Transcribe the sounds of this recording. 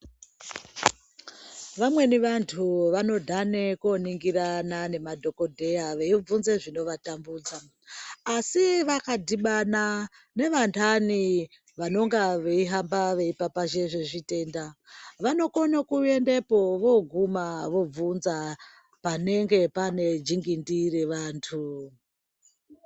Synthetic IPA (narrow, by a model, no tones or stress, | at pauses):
ʋamwe̞niʋantʰuʋano̞dʱane̞ko̞niŋɡiranane̞madʱo̞ko̞dʱe̞jaʋe̞ib͡vunze̞ʐino̞ʋatambuːd͡zaː | siʋakadiɓana | ne̞ʋantʰani | ʋano̞ŋɡaʋe̞iɦambaʋe̞ipapaʒeʐeʐite̞ndaʋano̞konokuende̞po̞ʋo̞ɡʱumaʋo̞b͡vunza | pane̞ŋɡe̞pane̞d͡ʒiŋɡindire̞ʋaːntʰu